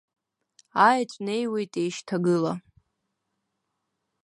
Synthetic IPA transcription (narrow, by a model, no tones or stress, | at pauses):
ajt͡ɕʷʼne̞jwejtʼejʃtʰaɡɨla